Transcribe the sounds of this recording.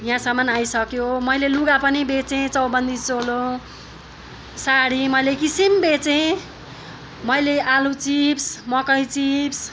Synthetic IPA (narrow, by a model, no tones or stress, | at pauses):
jãsʌmːʌnajsʌkjomʌjleluɡapʌnibet͡sẽt͡sʌwbʌnd̪ʱit͡solo | saɽimʌjlekisimbet͡sẽ | mʌjleʔalut͡sipsmʌkʌjt͡sips